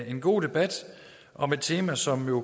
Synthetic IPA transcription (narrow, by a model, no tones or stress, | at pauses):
e̝nɡ̥o̝̰ːd̥e̝b̥æd̥ | ʔɒ̽me̝d̥̚t͡sʰe̝ːmæsɒ̽mjo̝